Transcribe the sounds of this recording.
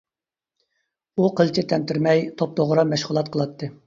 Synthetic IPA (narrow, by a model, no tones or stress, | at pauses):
uqʰəlˠt͡ʃʰɪt̪ʰɛnt̪ɪɾmɛjt̪ʰop̚d̪oʁɾɑmɛʃʁʊlˠɑt̪̚qʰəlˠɑt̪ʰːɨ